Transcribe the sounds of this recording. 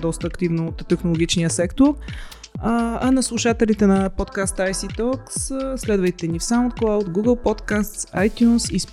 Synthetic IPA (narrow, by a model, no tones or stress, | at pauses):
d̪ɔst̪əːkt̪ivnoːt̪ːɛxnolˠoɡʲit͡ʃnijəsɛkt̪oɾ | ɐnɐslˠuʃat̪ɛlit̪ɛnɐpot̪kast̪ajsit̪ɔksslɛd̪vəjt̪ɛnifsaʊnt̪̚klˠawd̪ɡuɡəlˠpɔt̪kast̪sajt̪ʲjunsisp